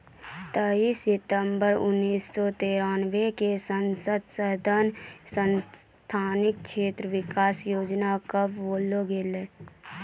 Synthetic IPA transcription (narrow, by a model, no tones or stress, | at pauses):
t̪əiːsɪt̪əmbəɾʊ̰nːiːsːɔt̪eːɾanʋekesənsəd̪səd̪ʱənsə̃n | t̪ʰaːnɪk̚ʃeːt̪ɾəʋɪkaːsjoːd͡ʒnakəbʋoːloɡele